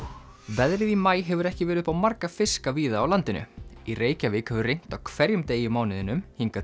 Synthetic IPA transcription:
vɛðɾɪðimaːjɦɛvʏɾɛhcɪvɛːɾʏð̥pawmaɾkafɪskaviːðaːwlant̪ɪnʏ̰ireːjcavɪkhɛvʏrejŋ̥t̪awkʰvɛɾjʏmt̪eːjɪmaːwnɪðɪnʏmhiŋka

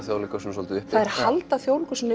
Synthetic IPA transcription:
θjoːwlikasɛmsɔlt̪ʏɪhθaðɛɾ̥halt̪aθjoːwlɪkʏ̥sɛn

